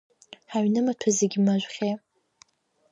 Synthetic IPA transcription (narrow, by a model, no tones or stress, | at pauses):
ħaɥnɨmatʷʰazeɡʲimaʒʷχʲe